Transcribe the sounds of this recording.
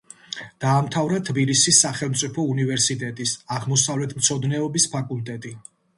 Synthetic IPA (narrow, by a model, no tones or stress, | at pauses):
d̪̥aːmt̪ʰavɾat̪ʰbilisisːaχɛlˠmt̪sʼipʰɔunivɛɾsit̪ʼɛt̪ʼisaʁmɔsavlɛt̪ʰmt̪sʰɔd̪nɛɔbispʰakʼulˠt̪ʼɛt̪ʼi